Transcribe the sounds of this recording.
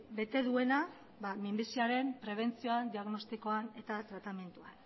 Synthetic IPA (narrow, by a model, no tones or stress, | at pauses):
be̞t̪e̞ðue̞na | bamimbisioaɾe̞mpɾe̞β̞e̞nt͡sio̞and̪iaɣno̞st̪iko̞ane̞t̪at̪ɾat̪ame̞nt̪uan